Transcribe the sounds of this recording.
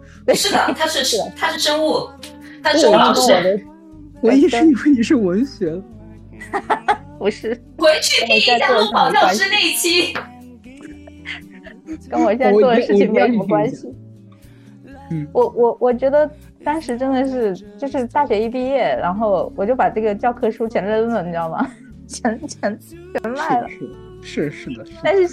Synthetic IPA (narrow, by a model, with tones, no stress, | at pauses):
t̪we˥˧ɪʂɻ̩˥˩d̪ə˩t̪ʰa˥ʂɻ̩˥˩ʂt̪ʰa˥ʂɻ̩˥˩ʂə˥ŋu˥˩ | t̪ʰa˥˨˩d̪ə˦ | we˧˥i˥ʂwe˥ɪi˨˩ʂɻ̩˥˩wə˧˥nɕɥɛ˧˥ | pu˧˥ʂɻ̩˥˩ | xwe˧˥ɪt͡ɕʰy˥˧˥i˥ɔ˨˩˥a˥˧˥ɑ˥ɑ˨˩ʊt͡ɕjɑ˥˧˥ne˥˩˥t͡ɕʰi˥ | kə˥nwɔ˨˩sjɛ˥˧nt͡sa˧wd̪ə˧ʂɻ̩˥t͡ɕʰi˩ŋme˥˩o˥˩kwa˥nɕi˨˩˥ | wɔ˨˩wʔɔ˨˩wʔɔ˨˩t͡ɕɥɛ˧˥d̪ə˧ | t̪ɑ˥nʂɻ̩˧˥ʈ͡ʂə˥nd̪ə˨ʂɻ̩˥˩˧t͡ɕjo˥˧ʊʂɻ̩˥˧t̪a˥˩ɕɥɛ˧˥i˥˧pi˥˧jɛ˥˩ɻa˧˥nxo˥˩ʊwɔ˨˩t͡ɕjo˥˩pa˨˩ʈ͡ʂɤ˥˩ɡə˩t͡ɕjɑ˥˧ʊkʰɤ˥ʂu˥t͡ɕʰjɛ˧˥nɻə˥˧lə˥˩nwə˥˩˥ɑ˥˩mɐ̰˩ | t͡ɕʰjɛ˧˥nt͡ɕʰɛ˧˥nt͡ɕʰɥɛ˧˥nma˥˩ɪlə̰˥˩ | ʂɻ̩˥˧ʂɻ̩˥˩d̪a˥˧nʂɻ̩˥˧